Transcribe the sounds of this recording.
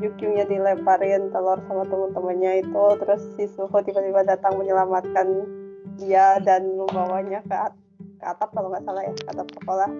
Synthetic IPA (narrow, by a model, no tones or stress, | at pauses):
d͡ʒukjuŋɲadilɛpaɾɪnt̪əlɔrsamat̪əmʊnt̪əmənɲait̪ut̪əɾʊsːisukut̪ibat̪ibadat̪aŋməɲəlamat̪̚kandiadanməmbawaɲakəat̚ | kəat̪ap̚kaloŋɡaʔsalahɦjakəat̪ap̚sə̥kolah